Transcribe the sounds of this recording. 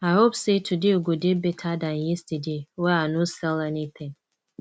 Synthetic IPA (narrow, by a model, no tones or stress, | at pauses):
aɪɦopsetʰudeoɡodebɛtʰadãnjɛstadewɛanusɛlɛnetʰɛ̃n